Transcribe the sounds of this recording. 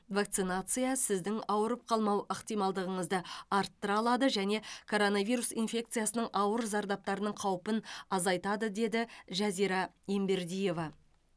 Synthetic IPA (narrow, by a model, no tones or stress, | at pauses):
vak̚t̪sɨnat̪sɨjasɪzd̪ɪŋɑwəɾəp̚qʰɑlˠmɑwəqt̪ijmɑlˠd̪əʁəɴəzd̪əɑɾt̪ːəɾɑlˠɑd̪əʒæne̞kʰo̞ɾo̞navʲijɾusinfʲe̞k̚t̪sɨjasənəɴʔɑwəɾzɑɾd̪ɑp̚t̪ɑɾənəɴqʰɑwəpənɑzɑjt̪ɑd̪əd̪e̞d̪ɪʒɑziɾɑembe̞ɾd̪ije̞vɑ